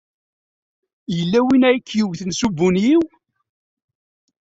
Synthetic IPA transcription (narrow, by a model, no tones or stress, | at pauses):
jəlːæwinæjkːjuʝθənsubunjiw